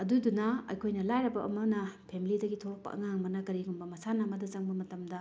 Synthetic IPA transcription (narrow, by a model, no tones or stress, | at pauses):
ɐdudunɐɐ̰jkʰojnɐlajɾɐbɐʔɐmɐnɐpʰemilidɐɡitʰopːɐ̰ʔɐ̰ŋaŋbɐnɐkɐɾiɡumbɐmɐsanamɐdɐt͡ʃɐŋbɐmɐtɐmdɐ